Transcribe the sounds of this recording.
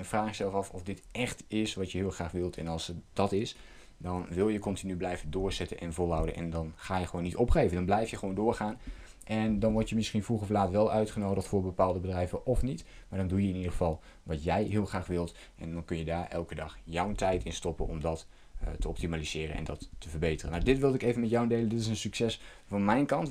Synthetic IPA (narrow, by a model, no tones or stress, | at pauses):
ɛnfraːxɪksɛlˠfɑfɔfdɪtɛxtɪsʋɑtjəɦɪːlˠxraːχʋɪlˠtʰɛ̰nɑlˠsd̥ɑtɪs | dɔnʋɪlˠjəkɔntinyblɛjvəndʊːrz̥ɛtənʔɛnvolˠɦawdənʔɛ̰ndɔnχaːjəχəʋownitɔpχejvəndɔnblɛjfjəχəʋowndʊːɹχaːn | ʔɛndɑnʋɔɹtjəmɪsχinfruχɔflaːtʋɛlˠœɥtχənowdəχtfʊːɹbəpaːlˠdəbədrɛjvəʔɔfnitmaːɹdɔndujəɪnidəχəvɑlˠ | ʋɑtjɛjɦɪːlˠχraːχʋɪlˠt | ʔɛ̰ndɑnkɵnjədaːɹʔɛ̰lˠkədɑχjɔwətɛjtɪnstɔpənɔ̰mdɑt | təɔp̚timaliz̥ɪːrə̰nɛ̰ndɑtːəvərbejtərənawdɪtʋɪlˠdɪkejvənmɛtjawəndejləndɪtɪsənsyksɛs | fɑnmɛjnkɑnt